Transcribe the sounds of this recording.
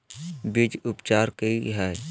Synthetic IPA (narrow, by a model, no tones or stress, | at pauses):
bɪd͡ʒʊpt͡ʃaːɾkəiɦɛː